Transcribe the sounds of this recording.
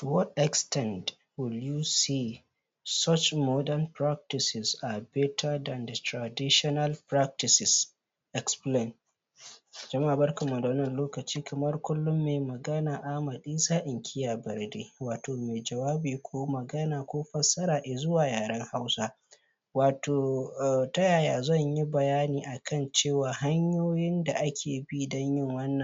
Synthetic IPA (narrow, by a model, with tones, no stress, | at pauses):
wɔ˦tɛ˨kstɛ˦˨nd | wʊ˨ljuː˦siː˦˨ | sɔ˦t͡ʃmɔ˦dɐ˦npɾa˦k̚tɪ˨sɪ˨sʔaː˨bɛ˦tʰɐ˦da˨ndɐ˨tɾa˨dɪ˦ʃɔ˦nɐ˦lpɾa˦k̚tɪ˨sɪ˨s | ʔɛ˨ksple˦˨n | d͡ʒɐ˦ma˦ʔa˨bɐ˦rkɐ˨mːa˨da˨wɐ˦nːɐ˨nloː˦kɐ˨t͡ʃiː˦kʰɐ˨mɐ˦rkʷʊ˦lːʊ˦mːeː˨mɐ˨ɡɐ˦naː˨ʔa˨mɐ˨ɗiː˦saː˦ʔɪ˨ŋkʲʰɪ˦jaː˨bɐ˨rdeː˦waː˨toː˨me˨d͡ʒɐ˨waː˦biː˨kʷʰoː˦mɐ˨ɡɐ˦naː˨kʷoː˦ɸɐ˦sɐ˦ɾaː˨ʔe˨zʊ˦waː˨jaː˨ɾɐ˦ŋha˦wsa˦ | waː˨toː˨tɐ˦jaː˨jaː˨zɐ˦˨ɲji˦bɐ˨jaː˦niː˨ʔa˨kʰɐ˦˨nt͡ʃeː˦˨waː˨ɦa˦ɲjoː˦jɪ˦nda˨ʔa˦kʲʰeː˨bi˦dɔ˦ɲjɪ˦˨ŋwɐ˦nːɐ˨